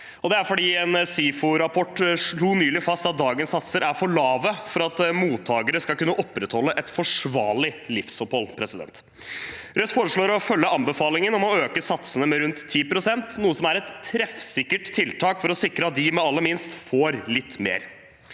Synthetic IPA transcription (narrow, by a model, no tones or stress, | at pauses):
ɔd̪ɛæɾfɔɖiːɛnsiːfʊɾɑpʰɔʈːʂɭuːnyːlɪfɑst̪ɑt̪̚d̪ɑːɡənsːɑt̪səɾʔæɾfɔɭɑːʋəfɔɾɑt̪muːt̪ʰːɑːɡəɾəskɑlkʉnːəʔɔpːɾɛt̪hɔlːəʔɛt̪fɔʂʋɑːlɪlɪfsɔphɔlpʰɾɛsɪd̪ɛ̰nt̪ | ɾœt̪ːfoːɾəʂɭoːɾɔfœlːəɑmbəfɑːlɪŋənɔmɔøːkəsɑt̪sənəmɛɾʉnt̪ʰːiːpɾʊsɛnt̪nuːəsɔmæɾɛt̪ʰːɾɛfsɪkːəʈt̪ʰːɪlt̪ʰɑːkfɔɾɔsɪkɾəɑt̪̚d̪ɪmɛɑlːəmɪnst̪foːɾlɪt̪ːmḛːɾ